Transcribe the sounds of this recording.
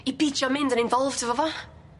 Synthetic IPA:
ibit͡ʃɔmɪ̃ndənɪ̃ɱvɔlˠvdəvɔvɔ

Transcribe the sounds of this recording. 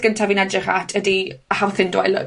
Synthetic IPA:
ɡ̥əntʰavinɛdrɪχa̰tʰədiəhawθɪndwa̰jlə̰

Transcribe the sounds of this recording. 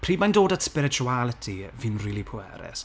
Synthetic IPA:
pʰr̥iːmajndoːdatspɪɾɪt͡ʃʰualˠətʰiviːnriːlˠipʰʊɛ̰ɾɛ̰s

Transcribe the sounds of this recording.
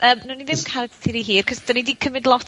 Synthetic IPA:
ʔəːmnuniðɪmkʰaɾɛttʰɪɾiɦiːrkʰɔsd̥ɔnidiːkʰəmɪdlˠɔt

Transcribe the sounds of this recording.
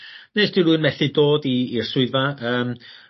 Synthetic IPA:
nejsd̥ɨluɨnmɛθɪdoːdiːr̥sʊɨðvaəːm

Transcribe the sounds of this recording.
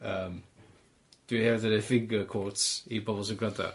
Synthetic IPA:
əːm | d̥wiɛdəɾɛfɪŋɡəkʰɔtsibɔbɔlˠs̬ɔɡrada̰

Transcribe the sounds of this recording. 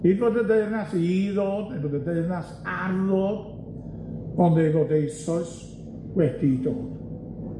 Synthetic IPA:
hiːdboːdəndeɨrnasiðoːdnejvoːdəndeɨrnas | aɾɔd | ɔnejvoːdejsɔɨs | wɛd̥idoːd̥

